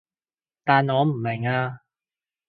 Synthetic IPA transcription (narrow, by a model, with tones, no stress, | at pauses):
t̪aː˨nɔː˨˧m̩˨˩mɪ˨˩ŋaː˧